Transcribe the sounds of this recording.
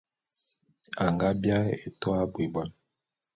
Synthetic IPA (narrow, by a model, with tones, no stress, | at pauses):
a˨ŋɡa˦bja˦ḛ˨twa˦bwi˨bwa˦n